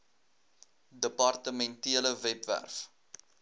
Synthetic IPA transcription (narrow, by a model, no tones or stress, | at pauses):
dəpɑrtəmɛntiələvɛpvæ̰rf